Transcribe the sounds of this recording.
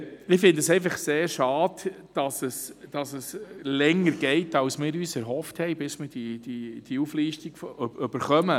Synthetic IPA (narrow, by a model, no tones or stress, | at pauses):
ɪfɪndəsɛɪfɑχseːɾʃɑːd | d̥ɑsəsd̥ɑsəslɛŋːəɾɡ̥ɛɪtɑwsmɪːɾyːsɛɾɦɔfthɛɪbɪsmɪːɾd̥id̥id̥iufliːʃtiɡ̥føb̥əɾχœmə